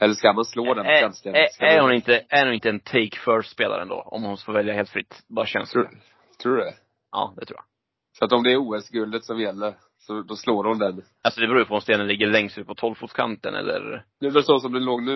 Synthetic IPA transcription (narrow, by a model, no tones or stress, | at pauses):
ɛlːəʂkamansloːd̪ɛnɛnt̪sekaæɾhʊnɪnt̪əæɾnuːɪnt̪əɛnt̪ʰɛɪkfœɾspeːla̰ɾə̰nd̪o̰ːɔ̰mhʊnfoːɾvɛljaheːlt̪fɾɪt̪ːbɑːɾaɕɛ̰ns | t̪ʰɾuːdɛ | ɑ̰ːd̪ɛt̪ɾṵːja̰ | sɔat̪ɔmd̪ɛːɾuːɛsɡɵld̪ət̪sɔmjɛlːəɾ | sɔd̪ɔsloːɾʊmd̪ɛn | alsɔd̪ɛbɾuːjəpʰɔɔmst̪eːnənlɪɡːəɭɛŋsʉːt̪̚pʰɔt̪ʰɔlfuːt̪skʰa̰nt̪ə̰nʔɛ̰lːə̰ɾd̪ɛvɛsɔsɔmd̪ɛnloːɡnʉ̟ː